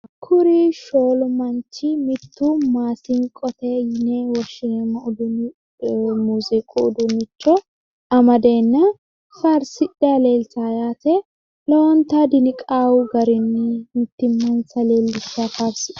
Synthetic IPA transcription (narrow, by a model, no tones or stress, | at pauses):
kʰʊɾiʃoːlmɐnt͡ʃːɪmɪt̪ːumaːsɪŋkʼɔt̪ɛjɪnewɔʃɪɛmːɐʊd̪ʊn | muːzɪkʼuːd̪ʊnːɪt͡ʃːɔ | ɐmɐd̪e̞ːnːɐ | fɐɾsɪᶑale̞ːlsajaːt̪ɛ | lɔwɔnt̪ad̪ɪnɪkʼaːwʊɡɐɾɪnːɪmɪt̪ːɪmːɐnsɐle̞ːlːɪsafafsɪ